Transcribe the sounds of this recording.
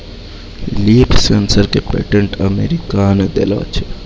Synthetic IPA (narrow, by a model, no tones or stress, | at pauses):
liːpsensəɾkepḛʈeɳʈəmeɾikaːnd̪ḛlo̰ːt͡ʃʰe̥